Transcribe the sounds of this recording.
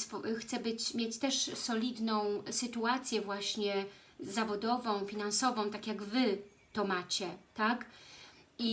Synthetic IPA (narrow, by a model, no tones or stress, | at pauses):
sfɔxt̪sɛbɘt͡ɕmʲjet͡ɕt̪ɛʂsɔlʲid̪nɔ̃w̃sɘt̪uat̪sʲjɛvwaɕɲɛ | zavɔd̪ɔvɔ̃w̃fʲinansɔvɔ̃w̃t̪akʲjaɡvɘ | t̪ɔmat͡ɕɛt̪ak | i